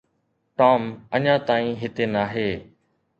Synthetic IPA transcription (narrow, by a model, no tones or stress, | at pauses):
ʈaːməɲãːt̪aːĩːɦɪt̪eːnaːɦeː